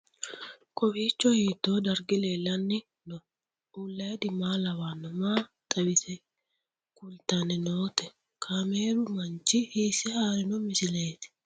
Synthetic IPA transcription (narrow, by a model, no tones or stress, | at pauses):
kʼɔbiːt͡ʃːɔhiːt̪ːoːd̪ɐɾɡɪleːlɐnːɪ | nɔ | uːlːeːd̪ɪmaːlɐwaːnːɔmaː | t̪ʼɐbɪsɛ | kʼʊlt̪ɐnɛnoːt̪ɛ | kʰameːɾʊmɐnt͡ʃɪhiːsɛhaːɾɪnʊmɪsɪleːt̪ɪ̥